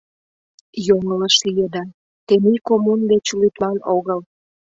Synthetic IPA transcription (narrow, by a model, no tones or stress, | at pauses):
joŋələʃlijed̪ɑ | t̪enikomund̪et͡ɕulit̪lɑnoɣəl